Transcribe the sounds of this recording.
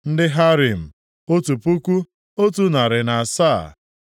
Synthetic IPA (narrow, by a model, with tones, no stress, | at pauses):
n̩˦dɪ˦ɦa˦ɾi˨m̩˨ | o˦tu˨pu˦kʷu˦ | o˦tu˦na˨ɾɪ˨na˨a˨saː˦˨